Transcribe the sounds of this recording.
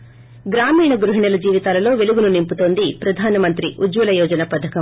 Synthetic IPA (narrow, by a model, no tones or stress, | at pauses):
ɡɾaːmiːɳɐɡɾuɦiɳɐlɐd͡ʒiːʋit̪aːlɐlo̞ːʋe̞luɡununimput̪o̞ːnd̪ipɾɐd̪ʱaːnɐmɐnt̪ɾiʔud͡ʒʋɐlɐjɔːd͡ʒɐnɐpɐd̪ʱɐkɐ